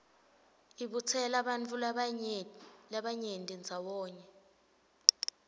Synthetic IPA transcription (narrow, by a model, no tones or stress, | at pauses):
iɓut͡sʰɛlaɓant͡fʰʼul | laɓaɲentʼind͡zʱawɔːɲɛ